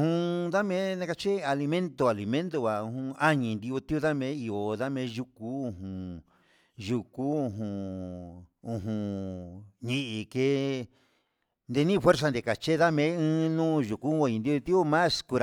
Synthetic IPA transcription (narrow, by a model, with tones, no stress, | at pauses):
hũ˧ða˦mẽ˦nã˦ka˧t͡ʃe˦a˧li˧mẽ˦nt̪o˧˨a˨li˨mẽ˦nt̪o˧βa˨u˧hũ˧a˦ɲĩ˧nd̪i˧o˧t̪i˦u˧ða˦mẽ˧˦i˧o˨ða˦mẽ˧˦ʒu˧ku˦ũ˧ɦũ˨ | ʒu˧ku˦ũ˧ɦũ˧˨ | ũ˧ɦũ˧ | ɲĩ˧ʔi˧ke˦ | nd̪e˧nĩ˦˧fwe˦ɾs̬a˧nd̪e˨ka˨t͡ʃe˦ða˦mẽ˨˦ɨ̃ː˦nũː˦ʒu˨ku˦o˧˨ɲĩ˧nd̪i˧o˧t̪i˦o˦mã˦sku˧ɾa˧˨